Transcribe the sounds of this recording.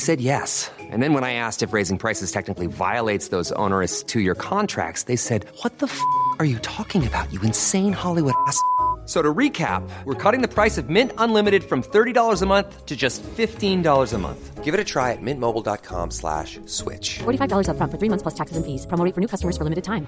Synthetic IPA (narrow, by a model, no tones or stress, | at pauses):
ɪsɛd̚jɛs | ʔɨ̰̃nðɨ̃nwə̃naɪæstɨfɹeɪzɪ̃ŋpʰɹ̥aɪsɨz̥tʰɛk̚nɨklˠiva̰ɪəlˠeɪtsðoʊzõ̰ʊ̃nə˞ɨstʰɨjə˞kʰɑ̃ntʰɹ̥æ̰k̚tsðeɪsɛd̚wʌt̪̚ðəfə˞jɨtʰɔkɪ̃ŋɨbaʊt͡ʃɨɨ̃nsẽɪ̃nhɑlˠiwʊɾæssoʊɾɨɹikʰæ̰p̚wəɹkʰʌɾɪ̃ŋðɨpʰɹ̥aɪsʌvmɪ̃ntə̃nlɪ̃mɨɾɨd̥fɹʌ̃mθɜ˞ɾidɔlˠə˞zəmʌ̃nθtʰɨd͡ʒʌstfɪftĩndɔlˠə˞zəmʌ̰̃nθɡ̥ɪvɨɾɨtʰɹ̥aɪɨt̚mɪ̃nmoʊbl̩ˠdɑ̰t̚kʰɑ̰̃mslæ̰ʃ | swɪ̰t͡ʃfɔɹɾifaɪvdɔlˠə˞zʌfɹʌ̃ntfə˞θɹimʌ̃nθspʰl̥ʌstʰæksɨzɨ̃nfiz̥pʰɹ̥əmoʊɾɪ̃ŋfə˞nʉkʌstəmə˞zfə˞lɪ̃mɨɾɨd̚tʰãɪ̃m